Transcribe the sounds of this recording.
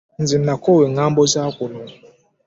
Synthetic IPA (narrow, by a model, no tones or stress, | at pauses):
n̩zim̩nakɔweŋam̩bɔzakʷʊnu